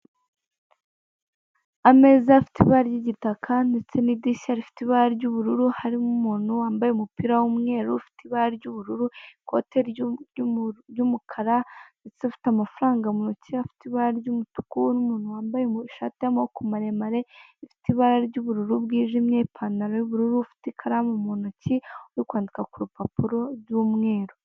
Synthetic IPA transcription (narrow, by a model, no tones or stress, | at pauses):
ame̞zafi̥tiβaɾɟiɟitakʰande̞t͡se̞nidiʃaaɾifi̥tiβaɾaɾɟuβuɾuɾuhaɾimumuːn̥huwaːmbajeumupiɾawumŋe̞ːɾufi̥tiβaɾaɾɟuβuɾuɾuiko̰teɾ | ɟumukʰaɾait͡sifi̥tamafuɾaːŋɡamunocihafi̥tiβaɾaɾɟumutu̥kunumuːnhuwaːmbajeuiʃatamokumaɾemaɾeifi̥tiβaɾaɾɟuβuɾuɾubɡiːʒimɲeipʰanaɾojuβuɾuɾufi̥tikʰaɾamumonociujikwaːndikakuɾupapuɾo̞ɾɟumŋe̞ːɾo